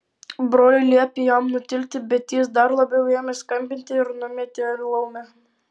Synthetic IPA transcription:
bɾoːlʲɪlʲiɛpʲijɑmnʊt̪ʲɪlʲt̪ʲɪbʲɛt̪ʲiːsd̪ɑɾlˠɐbʲɛwjiɛmʲɛskɐmʲbʲɪnʲt̪ʲɪɪɾnʊmʲɛt̪ʲɪʋʲɪlˠɐʊmʲɛ

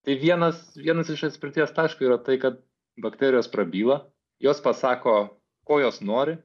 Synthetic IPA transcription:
t̪ɐɪʋʲiɛnɐsʋʲiɛnɐsɪʃɐt̪ʲsʲpʲɪɾʲt̪ʲiɛst̪ɑːʃkɐiɾɐt̪ɐɪkɐt̪̚ | bɐkt̪ʲæːɾʲɪjoːspɾɐbʲiːlˠɐ | joːspɐsɑːkoː | koːjoːsnoːɾʲɪ

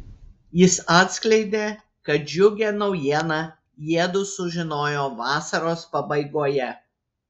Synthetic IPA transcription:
jɪsɑːt̪sʲklʲɛɪd̪ʲeː | kɐt̪̚d͡ʒʲʊɡʲeːnɒʊjiɛnɑ | jiɛd̪ʊːsʊʒʲɪnoːjoːʋɑːsɐɾoːspɐbɐɪɡoɔjɛ

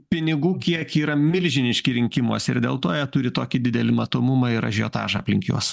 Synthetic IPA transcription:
pʲɪnʲɪɡuːkʲiɛkiːɾɐmʲɪlʲʒʲɪnʲɪʃʲkʲɪɾʲɪŋʲkʲɪmoːsʲɪ̰ɾd̪ʲḛːlˠt̪oːjɛt̪ʊɾʲɪt̪oːkʲɪd̪ʲɪd̪ʲɛlʲɪmɐt̪oːmʊmɑɪɾɐ̰ʒʲo̰ːt̪ɑ̰ːʒɑɐpʲlʲɪŋʲkʲo̰ːs

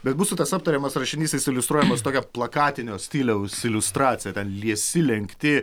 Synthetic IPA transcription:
bʲɛt̪busʊt̪ɐsɐp̚t̪ɐɾʲeːmɐsrɐʃʲɪnʲiːsʲt̪ʲɛɪsʲɪlʲʊst̪ɾuɔjɛmɐst̪oːkʲɛplˠɐkɑːt̪ʲɪnʲoːsʲt̪ʲiːlʲɛʊsɪlʲʊst̪ɾɑːt̪sʲɪjɛt̪ʲɛnlʲiɛsʲɪlʲɛŋkt̪ʲɪ

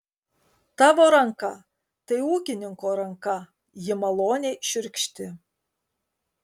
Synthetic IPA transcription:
t̪ɑʋoɾɑŋkɑ | t̪ɐjuːkʲɪnʲɪŋkoɾɐŋkɑ | jɪmɐlˠonʲeʃʏɾʲkʲʃt̪ʲɪ

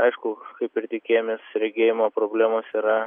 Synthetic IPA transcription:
ɐɪʃkʊkɐɪpɪɾt̪ʲɪkʲeːjomʲeːsɾʲɛɡʲeːjɪmopɾoːbʲlʲæːmoːsiːɾɐ

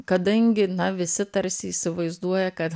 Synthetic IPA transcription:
kɐd̪ɐŋʲɡʲɪnɐʋʲɪsʲɪt̪ɐɾʲsʲɪːsʲɪʋɐɪzd̪uɔjɛkɐt̪

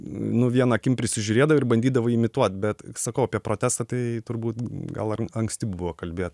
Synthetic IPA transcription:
nʊʋʲiɛnɑːkʲɪmpʲɾʲɪsʲɪʒʲʊɾʲeːd̪ɐʋoɪɾbɐnʲd̪ʲiːd̪ɐʋɐɪmʲɪt̪uɔt̪̚bʲɛt̪sɐkɐʊɐpʲiɛpɾoːt̪ʲæːst̪ɑt̪ɐɪt̪ʊɾbuːt̪ɡɐ̰lˠɐɐŋksʲt̪ʲɪbʊʋoːkɐlʲbʲeːt̪

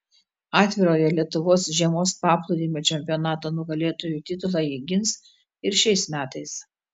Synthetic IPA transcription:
ɑːt̪ʲʋʲɪɾoːjɛlʲiɛt̪ʊʋoːsʒʲiɛmoːspɑːplˠʊd̪ʲiːmʲoːt͡ʃʲɛmʲpʲɪjɔnɑːt̪oːnʊɡɐlʲeːt̪oːjuːt̪ʲɪt̪ʊlˠɑjiɡʲɪns | ɪɾʃʲɛɪsmʲæːt̪ɐɪs

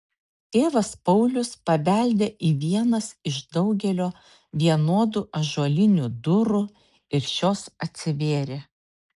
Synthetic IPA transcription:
t̪ʲeːʋɐspɐʊlʲʊspɐʋʲæˑlʲd̪ʲeːʔiːʋʲiɛnɐsɪʃd̪ɒʊɡʲɛlʲoː | ʋʲiɛnoːd̪uːʔɐʒuɔlʲɪnʲuːd̪ʊɾʊ | ɪɾʃʲoːsɐt̪ʲsʲɪʋʲeːɾʲe

